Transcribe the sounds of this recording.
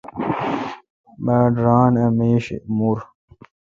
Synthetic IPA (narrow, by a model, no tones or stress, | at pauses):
baːɖɾaːnɐmeːɕḭmuɾ